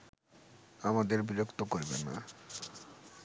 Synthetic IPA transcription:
amad̪eɾbiɾokt̪okoɾbḛnːa̰

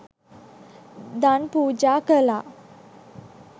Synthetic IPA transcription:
d̪anpud͡ʑakəla

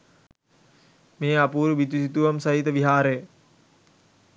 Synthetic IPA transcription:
meːapuːɾuʋit̪usit̪uʋɐmsɐɦit̪əʋiɦaːɾejə

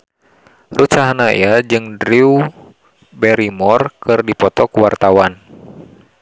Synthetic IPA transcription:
rut͡ʃaɦanaḭad͡ʒɨŋdɾiu | bɛɾimɔrkɨrdipɔt̪ɔkuwart̪awan

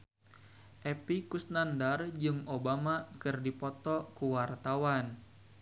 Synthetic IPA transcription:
ʔɛpikusnandard͡ʒɨŋobamakɨrdipɔt̪ɔkuwart̪awan

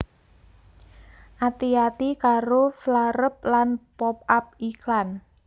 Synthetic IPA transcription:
ʔat̪iat̪ikaɾoflaɾəp̚lanpɔp̚ap̚iklan

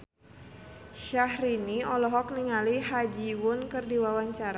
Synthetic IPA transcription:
ʃahriniɔlɔɦɔk̚niŋalihad͡ʒiwʊnkɨrdiwawaɲt͡ʃaɾa

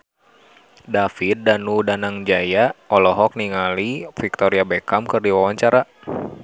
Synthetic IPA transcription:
dafit̪̚danudanaŋd͡ʒajaɔlɔɦɔk̚niŋalifik̚t̪ɔɾiabɛkamkɨrdiwawaɲt͡ʃaɾa

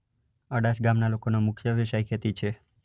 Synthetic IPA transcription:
əɽasɡamnalokonomʊkʰjəʋiʃajkʰet̪it͡ʃʰe

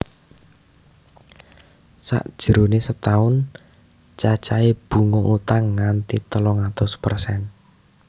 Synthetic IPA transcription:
sa̰ʔd̥ʒ̥ə̤ɾonesət̪aʊn | t͡ʃat͡ʃaeb̥ṳŋoʔut̪aŋːant̪it̪əlɔŋat̪ʊspərsɛn

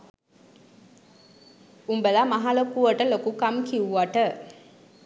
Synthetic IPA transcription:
umbəlamaɦalokuʋəʈəlokukamkiuʋaʈə

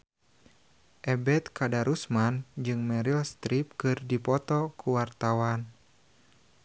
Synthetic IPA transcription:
ʔɛbɛt̪̚kadaɾʔusmand͡ʒɨŋmɛɾilst̪ɾip̚kɨrdipɔt̪ɔkuwart̪awan

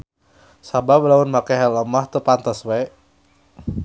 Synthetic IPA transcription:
sabablaunmakeɦɛləmaht̪əpant̪əswe

